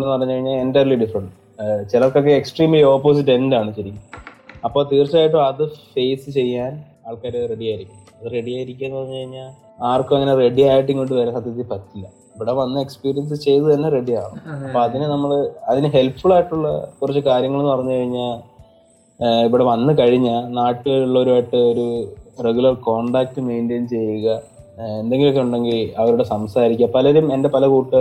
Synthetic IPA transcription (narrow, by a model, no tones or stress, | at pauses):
ɭenːɨpɐrɐɲːukɐɻiɲːaːendɐlːiɖifrɐɳɖ | t͡ɕilɐlkːok̬ːeeksʈriːmlio̞ːpːo̞ːs̬iʈ̬ːe̞ndaːɳɨɕɐɾikʲːuɐpːo̞ːt̪iːrt͡ɕːaːjiʈːoɐðɨfe̞jsɨt͡ɕe̞jːaːn | aːɭkeːɾɐre̞ɽijaːjiɾikʲːumː | ɐðɨre̞ɽiaːjiɾik̬ʲːenːɨpɐrɐɲːukɐɻiɲːaːl | aːrkːɨɐŋːɐne̞re̞ɽiaːjiʈ̬ːiŋkoɳɖɨʋeːɾesɐt̪ːjɐt̪ːipɐt̪ːilːɐ̰ | iʋiɽeʋɐnːɨekspiːɾijɐns̬ɨt͡ɕe̞jt̪ut̪ɐnːere̞ɖia̰ːɳṵɐpːo̞ɐðinɨnɐmːɐɭɐðinɨɦe̞lpfuɭaːjiʈːuɭːɐ̰kurɐt͡ɕːɨkaːɾjɐŋːɐɭunːɨpɐrɐɲːukɐɻiɲːaːl | iʋiɽe̞ʋɐnːɨkɐɻiɲːɐnaːʈːuɣɐluɭːɐo̞ɾuaʈːɨoɾureɡulɐrko̞ːɳɖaːk̚ʈːɨme̞jndeːnt͡ɕe̞jːuɣɐ | e̞nd̪e̞ŋɡilo̞k̬ːe̞uɳɖe̞ŋɡilɐʋɐɾuɽe̞sɐmsaːɾikʲːɐpɐlɐɾume̞nde̞pɐlɐkuːʈːɨ